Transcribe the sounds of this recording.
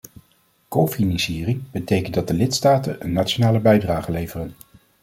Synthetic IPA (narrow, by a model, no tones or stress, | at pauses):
kofinɑnsiːrɪŋbətejkəndɑdəlɪtstaːtənənːaːtt͡ʃonaːləbɛjdraːχəlejvərən